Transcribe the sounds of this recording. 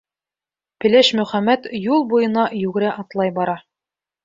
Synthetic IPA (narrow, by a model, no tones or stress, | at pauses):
pɘ̆læʃmɵ̆χæmːæt̪julˠbujɤ̆nɑjʉɡɘ̆ɾæʔɑt̪lˠɑjbɑɾɑ